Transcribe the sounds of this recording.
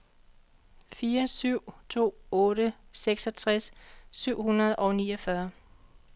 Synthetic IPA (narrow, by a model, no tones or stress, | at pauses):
fiːɐsyʊ̰t͡sʰo̝̰ːɔ̽ːɾəseɡ̥sɒ̽t͡sʰʁasːyʊ̰hunɐð̞ˠʔɒ̽ʊnḭːɒfɶɐ